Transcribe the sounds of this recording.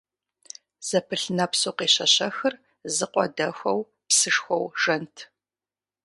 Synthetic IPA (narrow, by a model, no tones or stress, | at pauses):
z̥ɐpʰɨɬnɐpsoːqeːɕɐɕɐxɨr | zɨqʷʼɔ̰dɐxʷɔw | psɨʂxʷɔwʒɐntʰ